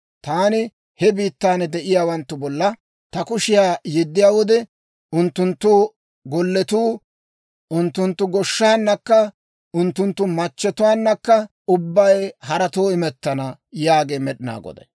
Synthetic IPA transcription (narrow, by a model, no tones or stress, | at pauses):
t̪aːnɪ | hɛbiːt̪ːaːnd̪ɛʔɪjaːwɐnt̪ːʊbɔlːɐ | t̪ɐkʊʃɪjaːjɪd̪ːɪjaːwɔd̪ɛ | ʔʊnt̪ːʊnt̪ːʊ | ɡɔlːɛt̪uː | ʔʊnt̪ːʊnt̪ːʊɡɔʃːaːnːɐkːɐ | ʊnt̪ːʊnt̪ːʊmɐt͡ʃːɛt̪ʊwaːnːɐkːɐ | ʊbːɐjhɐɾɐt̪oːɪmɛt̪ːɐnɐjaːɡeːmɛɗɪna̰ːɡɔ̰d̪ɛ̰